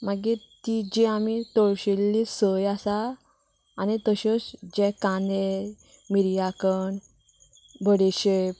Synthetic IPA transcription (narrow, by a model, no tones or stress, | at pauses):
maɡi | t̪id͡ʑeamit̪ɔɭɕelːisəjasaː | nit̪əɕɔsd͡ʑɛ̃kane | miɾjakən | bʱəɽeɕe